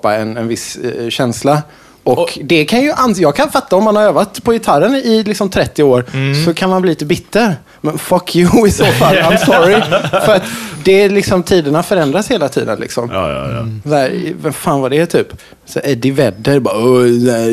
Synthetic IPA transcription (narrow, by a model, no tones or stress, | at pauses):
pːaɛnɛnvɪsɕɛnsla | ɔkd̪ɛkʰanjɵʔanjɑːɡ̚kʰanfat̪ːaɔmːanhaɾøːvat̪pʰɔjɪt̪ʰaɾənɪlɪksɔmt̪ʰɾɛt̪ːɪoːɾsɔkʰanmanliːliːt̪əbɪt̪ːəɾ | mɛnfakʰjʊɪsoːfalːãɪmsɔɾɪfœɾat̪d̪ɛlɪksɔmt̪ʰiːd̪ənafœɾɛnd̪ɾasheːlat̪ʰḭːd̪ənlɪ̰ksɔm | saæːɾvɛnfaːnvadɛːt̪ʰyːp | sæ̰ɛd̪ɪvɛd̪ːəɾbaːɔsæ